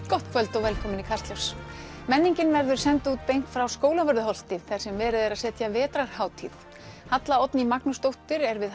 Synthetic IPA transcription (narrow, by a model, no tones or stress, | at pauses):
kɔht̪kʰvœlt̪ɔwvɛlkʰɔːmɪnikʰast̪lœws | mɛnːiɲcɪnvɛɾðʏɾ̥sɛnt̪uːt̪̚pejŋ̥k̪fɾawskoːwlavœɾðʏɦɔl̥t̪ɪθḁsɛmvɛːɾɪðɛɾaðsɛːt̪javɛːt̪ɾaɾ̥haːwt̪ʰiθ | hat̪laɔt̪nimaknʏst̪owht̪ɪɾɛɾvɪð